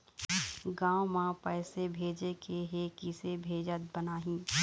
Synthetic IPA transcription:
ɡãːwmãpɛːsebʱeːd͡ʒekʰeɦekisebʱeːd͡ʒət̪̚bənaːɦĩː

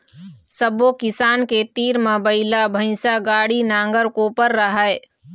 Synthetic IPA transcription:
səbokɪsaːnket̪iːɾmẽbəɪlabʱə̃ɪ̃saɡaːɽinãːŋɡəɾkoːpəɾːəɦəe

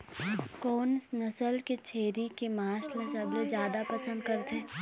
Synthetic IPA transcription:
koːnsnɐsəlket͡ʃʰeːɾikemaːslẽsɐblezjaːd̪apɐsə̃nd̪̚kɐɾt̪eː

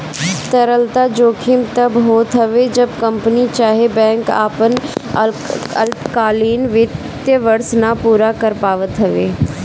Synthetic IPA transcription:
t̪əɾəlt̪aːd͡ʒoːkʰɪmt̪əbɦoːt̪ɦəʋed͡ʒəb̚kəmpnit͡ʃaːɦebɛ̃ːŋka̰ːpən | əlkaːliːnʋɪt̪ | jəʋəɾsnapuːɾakəɾpaːʋət̪ɦəʋeː

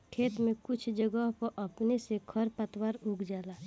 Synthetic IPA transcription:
kʰeːt̪mẽkʊt͡ʃʰd͡ʒəɡəɦpəɾʔɐpnesekʰəɾpət̪waːɾʊɡd͡ʒaːlaː

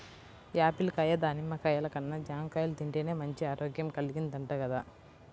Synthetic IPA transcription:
jaːpilkajɐd̪aːnimːɐkɐjɐlɐkɐnːɐd͡ʒaːmkajɐld̪iɳʈeneːmɐɲt͡ʃiaːɾoːɡjɐmkɐlːɡind̪ɐɳʈɐɡɐd̪a

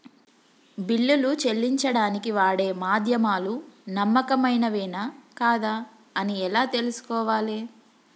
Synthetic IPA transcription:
biɭːulut͡ʃe̞lːiɲt͡ʃɐɽaːnikiʋaːɽe̞ːmaːd̪ʱjɐmaːlunɐmːɐkɐmɐjnɐʋɛːnaːkaːd̪aː | ɐniɛlaːt̪e̞lusu̥kɔːʋaːleː

